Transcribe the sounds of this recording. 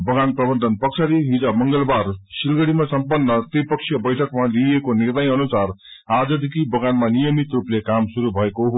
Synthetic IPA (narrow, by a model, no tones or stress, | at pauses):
bʌɡanprʌbʌnd̪ʱʌnpʌksʰaɾiɦid͡zʌmʌŋɡʌlbarsilɡʌɽimasʌmpʌnːʌt̪ripʌksʰijʌbʌjʈʰʌkmaliekonirnʌjʌnusar | ad͡zʌd̪ikibʌɡanmanijʌmit̪ruplekamsuɾubʱʌekoɦo